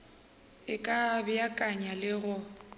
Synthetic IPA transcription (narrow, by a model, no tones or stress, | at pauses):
ɪkʼabɪjakʼaɲalɪɣʊ